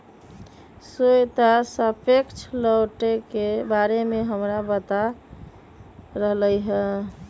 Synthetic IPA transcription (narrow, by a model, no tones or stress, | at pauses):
sojt̪asəpʰekt͡ʃʰləwʈekebaɾemeɦəmɾabət̪a | ɾəɦləjɦɛ